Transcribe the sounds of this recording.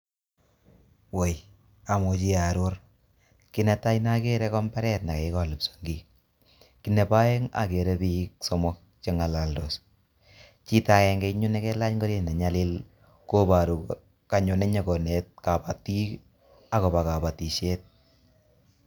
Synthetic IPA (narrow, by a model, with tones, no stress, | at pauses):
we˨j | a˨mo˨t͡ʃi˦a˨ɾʊ˦ɾ | ki˦nɛ˨ta˦jna˦ke˦ɾɛ˦kɔ˦mba˦ɾɛ˦t̚na˨ke˨˦kɔ˨lu˨pso̥˨ŋɡi˨ | ki˦ne˨pa˦e˦ŋa̰˨ke˨ɾe˦pi˦k̚sɔ˦mɔ˦k̚t͡ʃe˦ŋa˨la˨ldo˨s | t͡ʃi˦ta˨kɛ˨ŋɡe˦ɲʊ˦nɛ˦kɛ˦la˦ɲŋɡo˦ɾje˦˨na˨ɲa˦li˦l | ko˦ba˨ɾu˨k | ka˨ɲo˨nɛ˦ɲɔ˨ko˨ne˨t̚ka˨pa˨ti˦k | a˨kɔ˨ba˨ka˨pa˨ti˨ʃe˦t̚